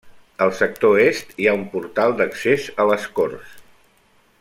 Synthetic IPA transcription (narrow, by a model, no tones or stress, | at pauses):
əlˠsək̚t̪oest̪iaumpuɾt̪alˠd̪əksezələskors